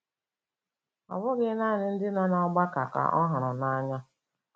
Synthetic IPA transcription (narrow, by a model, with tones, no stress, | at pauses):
a̰˨bʊ˦ɡɪ˦na˦˨nɪ˦n̩˦dɪ˦nɔ˦nɔ˨˦ɡ͡ba˦ka˨ka̰˨ʔɔ˦ɦa˨ɾʊ˨na˦ɲa˦